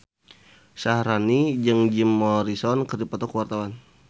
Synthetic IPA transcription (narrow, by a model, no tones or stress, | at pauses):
sahɾanid͡ʒɨŋd͡ʒimːɔɾisɔnkərdipɔt̪ɔkəwart̪awan